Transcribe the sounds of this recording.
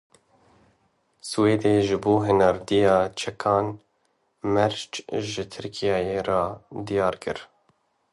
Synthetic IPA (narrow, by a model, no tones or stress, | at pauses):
sweːd̪eːʒɪboːɦɪnɑɾd̪ijɑːt͡ʃʰɛkʰɑːn | mɛɾt͡ʃʒɪt̪ʰɨɾkʰijɑːjeːɾɑːd̪ijɑːɾkɨ̰ɾ